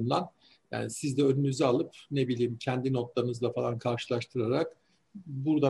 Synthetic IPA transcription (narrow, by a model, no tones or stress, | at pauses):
nd̪ˠan | ja̰ːnisizd̪ɛø̞nynyzɛalˠɯpne̞bilʲiːmcʰɛnd̪ino̞t̪lˠaɾɯnɯzlˠafalˠankʰaɾʃɯlˠaʃt̪ʰɯɾaɾak | buɾd̪a